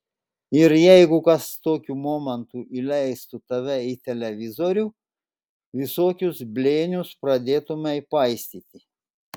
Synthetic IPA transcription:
ɪɾjɛɪɡʊkɐst̪oːkʲuːmoːmʲɛnt̪uʔiːlʲɛɪst̪ʊt̪ɐʋʲɛit̪ʲɛlʲɛʋʲɪzoɾʲuː | ʋʲɪsoːkʲʊsbʲlʲeːnʲʊspɾɐd̪ʲeːt̪ʊmʲɛɪpɐɪsʲt̪ʲiːt̪ʲɪ

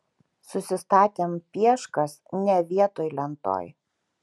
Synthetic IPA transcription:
sʊsʲɪst̪ɑːt̪ʲeːmpʲiɛʃkɐsnʲɛʋʲiɛt̪oːjlʲɛnt̪o̰ːj

